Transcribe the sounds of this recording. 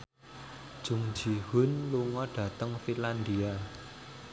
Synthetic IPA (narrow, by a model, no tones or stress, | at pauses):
d̥ʒ̥ʊ̤ŋ̥d͡ʒ̥i̤ɦʊnluŋɔɖ̥ä̤t̪əŋfiland̪ia